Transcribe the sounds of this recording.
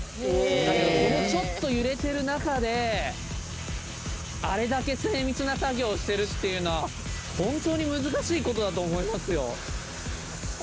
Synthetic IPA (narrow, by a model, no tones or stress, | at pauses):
ed̪aked̪ooɾot͡ɕo̞t̪ːo̞jɯ̟ɾe̞t̪e̞ɾɯ̟nakad̪e̞ | aɾe̞d̪ake̞se̞ːmʲit͡sɨnasaɡʲo̞ːɕi̥t̪e̞ɾɯ̟t̪ːe̞jɯ̟noβa | hõ̞nt̪o̞ːɲ̟imɯ̟zɨkaɕiːko̞t̪o̞d̪at̪o̞ːmo̞imasɨjo̞̰